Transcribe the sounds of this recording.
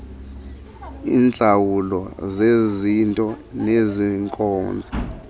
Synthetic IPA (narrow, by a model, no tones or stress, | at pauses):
iːnd͡ɮʱawulɔzezintʼɔneziŋkʼɔːnd͡zʱi